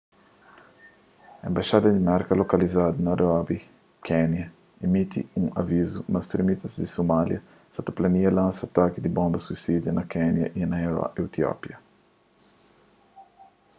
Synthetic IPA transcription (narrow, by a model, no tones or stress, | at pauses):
ɐẽmbaʃad̪ɐd̪imɛɾkɐlokɐlizad̪ɐnɐɾɔbi | kʰɛnjɐ | emit̪ḭũŋɐ̰vizumɐst̪ɾimit̪ɐzd̪isomaljɐ | sɐt̪ɐplɐniɐlãsɐat̪akid̪ibõmbɐsuisid̪jɐnɐkɛnjɐ̰ʔinɐeewt̪iɔ̰pjɐ